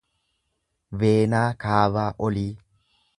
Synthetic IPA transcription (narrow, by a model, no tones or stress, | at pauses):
veːnaːkaːβaːʔɔliː